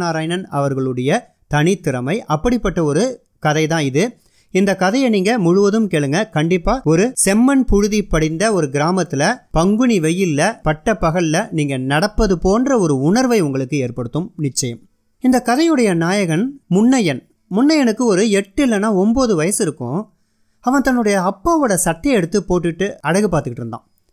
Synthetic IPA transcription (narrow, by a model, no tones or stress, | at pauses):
aːɾaːjnɐnɐʋɐɾɣɐɭɯɽɐjɐ | t̪ɐɳɪt̪ːɪɾɐmɐɪʔɐpːɐɽɪpːɐʈːɐɔɾɯ | kɐðɐɪt̪ãːɪðɯ | ɪnd̪ɐkːɐðɐjɐniːŋɡɐmʊɻɯʋɐðɯmkeːɭɯŋɡɐkɐɳɖɪpːaːɔɾɯsɛmːɐnpʊɻɯðipɐɽɪnd̪ɐɔɾɯɡɪɾaːmɐt̪ːɪlɐpɐŋɡɯɳiʋɛjːɪlːɐpɐʈːɐpːɐɣɐɭlɐniːŋɡɐnɐɽɐpːɐðɯpoːndrɐɔɾɯʊɳɐɾʋɐɪʊŋɡɐɭɯkːɯeːɾpɐɽɯt̪ːɯmnɪt͡ʃːɐjɐm | ɪnd̪ɐkːɐðɐjɯɽɐjɐnaːjɐɣɐnmʊɳːɐjɐn | mʊɳːɐjɐnɯkːɯɔɾɯɛʈːɯɪlːɐnːaːɔmboːðɯʋɐjɐsɪɾɯkːʊ̰̃ | ɐʋɐ̃nt̪ɐnːɯɽɐjɐːpːaːʋoɽɐsɐʈːɪjɐɛɽɯt̪ːɯpoːʈːɯʈːɯɐɽɐɣɯpaːɾt̪ɯkːɪʈːɯɾɯnd̪ã̰ː